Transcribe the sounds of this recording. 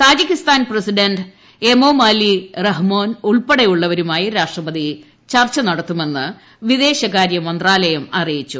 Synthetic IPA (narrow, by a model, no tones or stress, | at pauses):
t̪aːd͡ʑikʲːist̪aːnprɐsiɖɐnɖ | emoːmaːlirɐɦmoːnuɭpeɽɐjuɭːɐʋɐɾumaːjiɾaːʂʈrɐbɐd̪i | t͡ɕɐrt͡ɕːɐnɐɽɐt̪ːume̞nːɨ | ʋid̪e̞ːɕɐkaːɾjɐmɐnd̪raːlɐjɐmɐrijit͡ɕːu